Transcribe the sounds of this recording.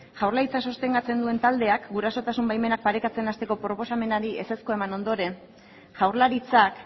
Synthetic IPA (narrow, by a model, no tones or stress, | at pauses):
ʝawɾlaɾit͡saso̞st̪e̞ŋɡat͡se̞nd̪ue̞nt̪ald̪e̞akɡuɾaso̞t̪asumbajme̞nak̚paɾe̞kat͡se̞nast̪e̞ko̞pɾo̞po̞same̞naɾiese̞skoe̞mano̞nd̪o̞ɾe̞n | ʝawɾlaɾit͡sak